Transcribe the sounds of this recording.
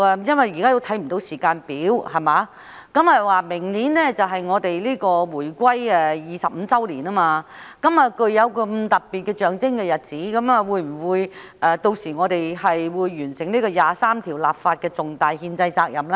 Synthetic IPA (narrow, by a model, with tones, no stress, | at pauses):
jɐ˥nwɐ˨jiː˨kaː˥jo˧wt̪ʰɐ˨˥jm̩˨˩t̪o˨˧wsiː˨˩kaː˧npiː˨˥whɐ˨maː˨˥ | kɐ˨˥mɐ˨˩waː˨˩mɪ˨˩ŋniː˨˥nlɛː˥t͡sɐ˨wɦɐ˨jŋɔː˨˧t̪e˨jliː˥kɔː˧wuː˨˩jkʷɐ˥jɛː˧jiː˨˧sɐ˨p̚m̩ː˨˧t͡sɐ˥wliː˨˩naː˥maː˧kɐ˨˥maː˨˧kɵ˧ɥjɐ˨˧wkɐ˧mt̪ɐ˨p̚pːiː˨t̚kɛː˧t͡ʃœː˨ŋt͡sɪ˥ŋkɛ˧jɐ˨t̚t͡siː˨˥kɐ˨˥maː˨˧wuː˨˧jm̩˨˩wuː˨˧jʔɛː˧t̪o˧wsiː˨˩ŋɔː˨˧t̪e˨jhɐ˨jwuː˨˧jːyː˨˩nsɪ˨˩ŋliː˥kɔː˧jaː˨saː˥mt̪ʰiː˨˩wlaː˨p̚faː˧t̚kɛː˧t͡sʊ˨ŋt̪aː˨jɦiː˧nt͡sɐ˧jt͡saː˧k̚jɐ˨˩m˥